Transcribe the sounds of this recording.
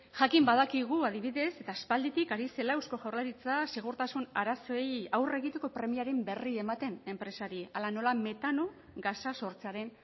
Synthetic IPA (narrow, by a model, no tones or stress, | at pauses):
ʝakimbaðakiɣ̞uaðiβ̞iðe̞se̞t̪aːspald̪it̪ikaɾise̞laewsko̞ʝawrlaɾit͡sase̞ɣ̞uɾt̪asunaɾaso̞ejawre̞ɣit̪e̞ko̞pɾe̞miaɾe̞mbe̞rie̞mat̪e̞ne̞mpɾe̞saɾialano̞lame̞t̪ano̞ | ɡasaso̞ɾt͡seaɾe̞n